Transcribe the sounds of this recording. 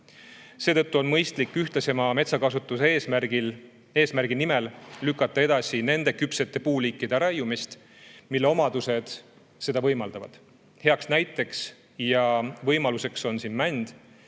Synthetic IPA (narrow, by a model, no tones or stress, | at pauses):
se̞ːt̪ɤt̪ːuo̞nmɤjst̪likːˑyht̪lese̞mɑme̞t̪sɑkɑsut̪ːˑuseːsmæɡil | e̞ːsmærɡ̥inime̞llykːˑɑt̪ːˑɑe̞d̪̥ɑsine̞nd̪̥e̞kypse̞t̪ːe̞puːliːkˑːid̪̥eɾɑjumist̪ | milːe̞o̞mɑd̪̥use̞d̪̥ | se̞d̪̥ɑvɤjmɑld̪̥ɑvɑ̰d̪̥ | he̞ɑksnæjt̪ːˑe̞ks | jɑvɤjmɑluse̞kso̞nsinmænd̪̥